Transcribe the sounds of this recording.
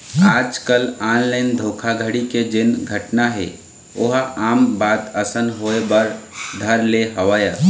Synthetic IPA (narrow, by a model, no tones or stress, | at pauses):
aːd͡ʒkəlaːnlaɪnd̪ʱoːkʰaɡʱəɽiked͡ʒɪnɡʱəʈnaɦɛ̰ | oɦaːmbaːt̪əsənɦoebəɾd̪ʱəɾleɦəʋaːjə